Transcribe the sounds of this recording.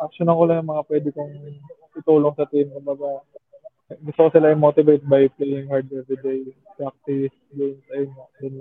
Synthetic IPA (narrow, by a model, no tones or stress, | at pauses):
ʔɐk̚ʃonɐkolɐjɐŋmɐŋapwɛːd̪ɪkoŋp̪ɪt̪uːloŋsɐt̪ɪmsɐbaːba | ɡʊst̪ʊkosɪlaʔɪmoːt̪ɪvejt̪̚bajplɛjɪŋhɛɹd̪ɛvɾɪd̪ej | pɾak̚t̪ɪs | ɡensɐjonod̪ɐn